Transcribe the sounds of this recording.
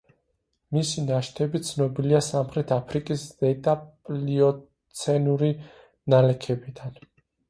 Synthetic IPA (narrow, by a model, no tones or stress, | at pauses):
misinaʃt̪ʰɛbit̪sʰnɔbiliasamχɾɛt̪ʰapʰɾikʼisd̪ɛt̪ʼapʼliɔ | t̪sʰɛnuɾi | nalɛkʰɛbid̪an